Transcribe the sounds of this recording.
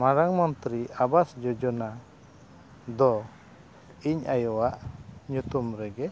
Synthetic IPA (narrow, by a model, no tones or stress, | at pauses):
maɾaŋmɔnt̪ɾiabasd͡ʒɔd͡ʒɔna | d̪ɔ | iɲajɔwaʔɲut̪umɾɛɡɛ